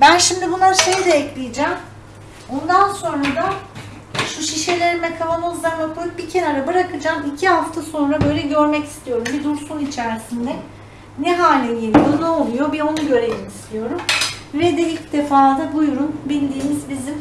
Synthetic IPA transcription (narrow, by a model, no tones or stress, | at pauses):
bænʃimd̪ibunlˠaɾʃe̞jd̪ɛːclʲijed͡ʒɛm | o̞nd̪anso̞nɾad̪a | ʃuʃiʃelʲe̞ɾinmɛkʰavanozlˠaɾlakʰo̞jup̚bicʰe̞naɾɯbɯɾakʰɯd͡ʒaːmicʰiɦaft̪ʰaso̞nɾabø̞jlʲɛɟø̞ɾmɛci̥st̪ʰijo̞ɾumbid̪uɾsunit͡ʃʰæɾsind̪ɛ | nɛɦaːlʲɛɟelʲijonɛolˠujo̞bio̞nuɟø̞ɾejimist̪ʰijo̞ɾumvɛd̪ɛilʲcd̪e̞faːd̪abujɾunbilʲd̪iːmizbizim